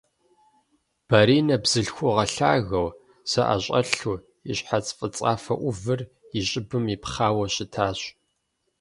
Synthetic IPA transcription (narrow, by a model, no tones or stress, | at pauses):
b̥aɾiːnɐbz̥ɨɬxʷʊʁɐɬaːɣɐw | sɐʔa̰ɕʼɐ̰ɬu | iɕħat͡sʼfʼɨt͡sʼaːfɐ̰ʔʷʊvɨr | iɕʼɪbɨmipχaːwɐɕɪtʰaːɕ